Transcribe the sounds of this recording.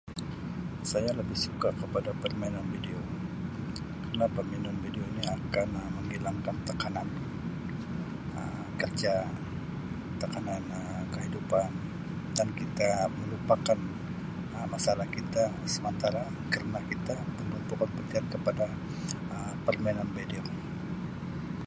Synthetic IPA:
sajaləbɪhsukakəpadapərminɔnvideo | kəɾənapaminɔnbideoniakanəməŋilaŋkant̪əkanan | ə̰m | kərd͡ʒa | t̪əkananəkəɦidupan | dankit̪aməlupakan | əmasalahkit̪a | səmənt̪aɾa | kəɾənakit̪apəmbunt̪ukanpərt̪iat̪̚kəpada | əmpərmɛnanbedeo

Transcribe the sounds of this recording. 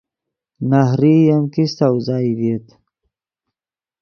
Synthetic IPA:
nahɾijamkist̪awzɑjdit̪

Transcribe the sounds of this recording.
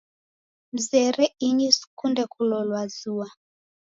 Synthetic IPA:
m̩zɛɾɛiɲisu̥kundɛkulɔlwazua

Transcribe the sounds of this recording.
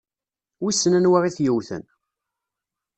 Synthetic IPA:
wisːənænwaʁˤiθjəwθə̰n

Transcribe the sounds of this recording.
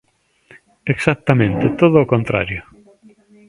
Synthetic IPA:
eksak̚t̪amẽnt̪et̪oðoːkõnt̪ɾa̰ɾjo

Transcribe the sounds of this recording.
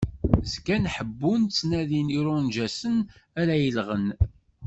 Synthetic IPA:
zkænħəbːunt͡sːnæðiniɾʊnʒæsənæɾæjəlʁən

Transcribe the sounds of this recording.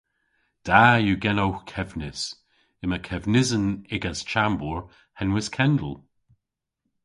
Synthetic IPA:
d̥aːjuɡɛnowxkʰɛvnɪs | ɪməkʰɛvnɪzənɪɡast͡ʃambuɹ | hɛnwɪskʰɛndə̰lˠ

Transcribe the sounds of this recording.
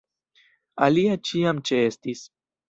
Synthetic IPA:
aliat͡ʃiamt͡ʃe̞e̞stis

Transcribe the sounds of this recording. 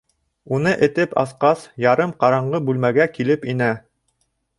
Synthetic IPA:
unɤʔɘ̆t̪ɘpɑ̰θqɑsjɑɾɤmqɑɾɑɴɢɤbʉlmæɡækilɘpinæ

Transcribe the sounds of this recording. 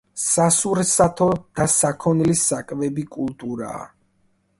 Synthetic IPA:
sasuɾsat̪ʰɔd̪̥asakʰɔnilisakʼvɛbikʼulˠt̪ʼuɾa̰ː

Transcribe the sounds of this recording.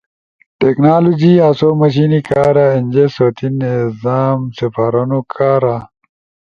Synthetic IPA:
ʈeknaːlod͡ʑiaːsoːmɐɕ̬inikaːɾainʲd͡ʑesoːt̪ʰinezaːmsefaɾɐnukʰaːɾa

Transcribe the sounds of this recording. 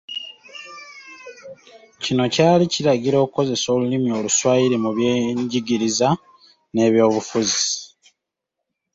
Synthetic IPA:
cino̞caːliciɾaɟiɾo̞ːkuko̞ze̞so̞ːlulimio̞ːluswaːiɾimuβjeɲɟiɡiɾiza | ne̞ːβjo̞ːβufuzi̥

